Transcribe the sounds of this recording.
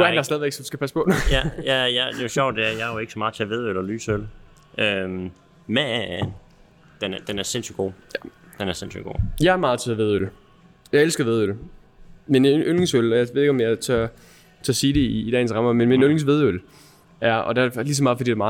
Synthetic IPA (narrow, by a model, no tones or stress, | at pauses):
dɑsɛðˠʋeɡ̥sɒdu̥sɡ̥æpʰæspʰɔ̥̽æjæjɑd̥eɕɒʊ̰d̥de̝æɐjɑ̈joe̝ɡ̥sɒmɑ̈ːðˠt͡sʰeʋe̝ð̞ˠølɒlyːsøl | ʔøm | mææn | d̥end̥enæɐse̝nsyɡ̥o̝̰ːjæd̥enæɐsensy̰ɡ̥o̰ːjɑ̈ɪæɐmɑ̈ːðˠt͡sʰeæʋe̝ð̞ˠøl | jɑ̈ɪelsɡ̥ɐʋe̝ð̞ˠøl | menʔølŋsølɒjɑʋe̝ðˠeɡ̥ɒmjɑt͡sʰø | t͡sʰeɐsiːɾe̝iːd̥ɛ̰ɪnsʁɑ̈mɐmenmenølŋsʋe̝ð̞ˠøl | æɐɒ̰̽d̥elis̬ɒ̽mɑ̈ːð̩ˠfɒd̥ḭːd̥emɑ̈ː